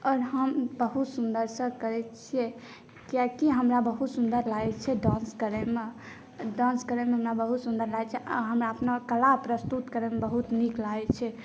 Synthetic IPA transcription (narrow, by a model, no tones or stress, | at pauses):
ɔːɾɦəmbəɦut̪sund̪əɾsə̃kəɾɛt͡ʃʰiɛ | kijakiɦəmɾabəɦut̪sund̪əɾlaɡt͡ʃʰɛɖãnskəɾɛme | ɖãnskəɾemeɦəmɾabəɦut̪sund̪əɾlaɡt͡ʃʰɛɦəmɾaəpnakəlapɾəst̪ut̪kəɾɛmebəɦut̪niklat͡ʃʰɛ